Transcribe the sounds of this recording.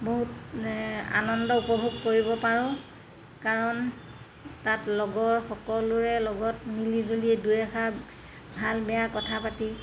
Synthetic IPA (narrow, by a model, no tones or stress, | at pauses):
boɦut | a̰nɔndɔupɔbʱuɡkoɹibɔpaɹɔ̃ | kaɹɔn | tatlɔɡɔɹxɔkɔlʊɹɛlɔɡɔtmilizoliɛdujaxaɹ | bʱalbɛjakɔtʰapati